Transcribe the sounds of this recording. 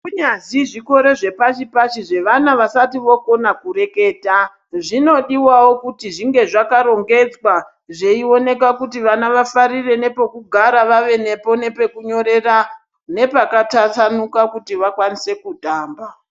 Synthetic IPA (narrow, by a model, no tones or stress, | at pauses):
kuɲaziʐiko̞ɾe̞ʐe̞pat͡ʃipat͡ʃiʐe̞ʋanaʋasatiʋo̞ko̞nakuɾe̞ke̞ːta | ʐino̞ɗiwawo̞kutiʐiŋɡe̞ʐakaɾo̞ŋɡe̞d͡zwa | ʐe̞io̞ne̞k̬akutiʋanaʋafaɾire̞ne̞po̞kuɡʱaɾaʋaʋe̞ne̞po̞ne̞pe̞kuɲo̞ɾe̞ra | ne̞pakatatanukakutiʋakwanise̞kudʱaːmba